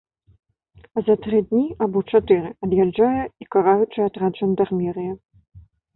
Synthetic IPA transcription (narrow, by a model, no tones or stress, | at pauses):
ɐzɐt̪ɾɨd̪ʲnʲiabɔt͡ʂat̪ɨɾɨɐd̪jad͡ʐːajɛikaɾajut͡ʂɨat̪ɾad͡ʒɐnʲd̪armʲɛɾɨjɐ